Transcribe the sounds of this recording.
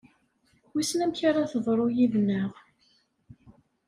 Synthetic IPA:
wisnæmçaɾaθəðˤɾˤojivnːəʁ

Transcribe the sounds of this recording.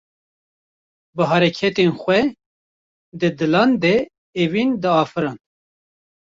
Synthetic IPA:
bɨɦɑːɾɛkʰɛt̪enxʷɛ | d̪ɨd̪ɨlɑːnd̪ɛ | evind̪ɨɑːfɨɾɑːn

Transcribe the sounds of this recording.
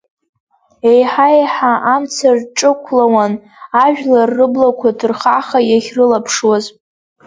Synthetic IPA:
ejħajħaʔamt͡sʰarʈ͡ʂʼɨkʷʰlawan | aʒᶣlarːɨblakʷʰadɨrχaχajaχʲrɨlapʰʂwaz

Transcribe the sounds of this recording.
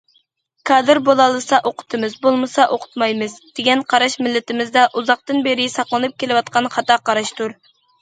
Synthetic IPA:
kʰɑd̪ɨɾbolˠɑlˠːɨsɑʔoqʰʊ̥t̪ʰɨmɨzbolˠmɨsɑʔoqʰʊ̥t̪mɑjmɨzd̪̥eɡʲɛnqʰɑɾɑʃmɪlːɪt̪ɪmɪzd̪ɛʔuzɑq̚t̪ɨnbeɾɪsɑqlˠɨnɨp̚kʲelɪwɑt̪qɑnχɑt̪ɑqɑɾɑʃt̪uɾ

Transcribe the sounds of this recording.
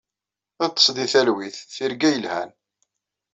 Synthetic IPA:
æðt̪ˤːə̥sˤd̪iθælwiθːiɾɡæjəlhæ̰n

